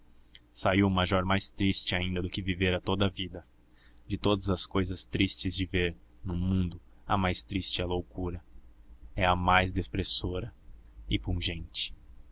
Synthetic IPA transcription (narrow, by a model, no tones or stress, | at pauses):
saiwmajʒɔɾmajst̪ɾist͡ʃɪaĩnd̪ɐd̪ʊkɪviveɾɐt̪od̪ɐɐvid̪ɐ | d͡ʒɪt̪od̪ɐzɐskojzɐst̪ɾist͡ʃɪzd͡ʒɪveɾ | nʊmũd̪ʊ | ɐ̰majst̪ɾist͡ʃɪɐlowkuɾɐ | ɛɐmajzd̪espɾesoɾɐɪpũʒẽnt͡ʃɪ̥